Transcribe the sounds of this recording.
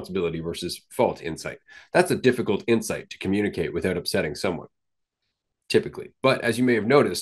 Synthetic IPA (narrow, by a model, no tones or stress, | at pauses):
nsəbɪlˠəɾivɜ˞sɨz̥fɔlˠtʰɪ̰̃nsaɪt̪̚ðætsɨdɪfɨkl̩ˠtɪ̃nsaɪtʰɨ̥kʰmjʉñɨkʰeɪʔ̚wɨθaʊɾʌpsɛɾɪ̃ŋsʌ̃mwʌ̰̃n | tʰɪpɨklḭb̥ʌɾʔɨzjɨmeɪɨvnoʊɾɨs